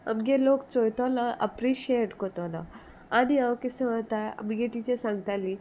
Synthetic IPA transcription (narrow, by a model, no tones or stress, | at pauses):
ɐ̰mɡeloːkt͡sojt̪alaʔɐ̰pɾiʃeʈkot̪ola̰ | aniɐʋkisẽʋat̪aɐ̰mɡeʈiːt͡ʃesãŋɡt̪ali